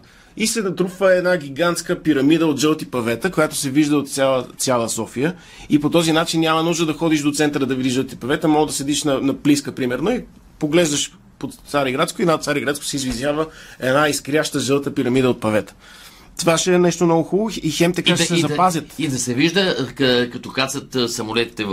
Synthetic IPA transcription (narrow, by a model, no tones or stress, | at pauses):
ist̪ɛnɐt̪ɾupvəɛd̪naɡʲiɡant̪skəpiɾɐmid̪əot̪ʒɛlˠt̪ipɐvɛt̪əkojat̪o̥sɛviʒd̪əot̪saəsjalˠəsɔfijə | ipot̪ɔzinat͡ʃinːʲamənuʒd̪əd̪ɐxɔd̪iʃd̪ot̪sɛnt̪əɾəd̪ɐvid̪iʒəlˠt̪ipɐvɛt̪əmɔd̪ɐsɛd̪iʃnɐnɐpliskəpɾimɛɾnoi | poɡlɛʒd̪əʃ | pot̪t̪saɾiɡɾat̪skʊinat̪saɾiɡɾat̪skʊ̥sɛizvizʲavəɛnaiskɾiaʃt̪əʒəlˠt̪əpiɾɐmid̪əot̪̚pɐvɛt̪ə̥ | t̪ovaʃɛnɛʃt̪omnɔɡʊxulˠʊixɛmt̪ɐkaʃɛsɛzɐpazʲət̪id̪ɐsɛviʒd̪əkɐkɐt̪ɔkat̪sət̪sɐmolɛt̪i̥t̪ɛ